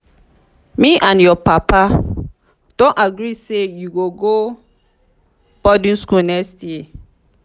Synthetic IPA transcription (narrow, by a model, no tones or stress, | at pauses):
miʔãnjɔpapa | d̥ɔ̃naɡɾisejuɡoɡo | b̥ɔdĩnskulnɛkstji